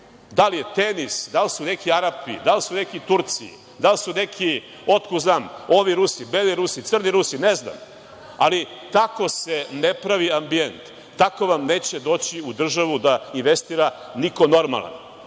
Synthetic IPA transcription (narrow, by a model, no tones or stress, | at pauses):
d̪alijet̪enisd̪alisune̞kiaɾapḭd̪alisune̞kit̪uɾt̪siḭ | d̪alsune̞kʰi | o̞t̪kuznaːmo̞ʋiɾusibeliɾusit̪sr̩niɾusinezna̰m | a̰lit̪ako̞senepɾaʋiambie̞nt̪ː | ako̞ʋamneːt͡ɕed̪o̞ːt͡ɕiud̪r̩ʒaʋud̪ainʋe̞st̪iːɾa | niko̞no̞ɾma̰lˠa̰n